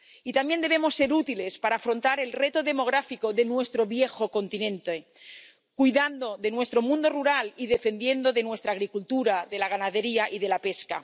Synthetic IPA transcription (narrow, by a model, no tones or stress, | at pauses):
it̪amje̞nd̪e̞βemo̞sːe̞ɾut̪ile̞spaɾaːfɾo̞nt̪aɾe̞lre̞t̪oðe̞mo̞ɣ̞ɾafikoðe̞nwe̞st̪ɾo̞βje̞xo̞ko̞nt̪inẽ̞nt̪e | kujðand̪o̞ðe̞nwe̞st̪ɾo̞mũnd̪o̞ruɾaliðe̞fe̞nd̪je̞nd̪o̞ðe̞nwe̞st̪ɾaːɣɾikult̪uɾaðe̞laɣ̞anaðe̞ɾiaʔiðe̞lape̞ska̰